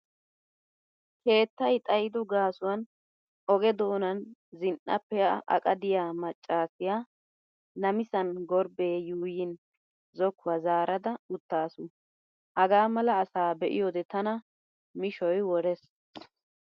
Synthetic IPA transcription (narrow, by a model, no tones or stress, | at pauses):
kʰe̞ːt̪ːɐjt̪ʼɐjɪd̪ɔɡaːsʊwɐn | ʔɔɡɛd̪o̞ːnɐnzɪnʔːɐ̰pːɛʔɐ̰kʼɐd̪ɪjaːmɐt͡ʃʼːaːsɪjaː | nɐmɪsɐnɡɔɾbeːjuːjɪn | zɔkːʊwɐzaːɾʔɐd̪ɐʊt̪ːaːsʊ | hɐɡaːmɐlɐːsaːbɛʔɪ̰jod̪ɛt̪ɐnɐ | mɪʃɔjwɔɾɛs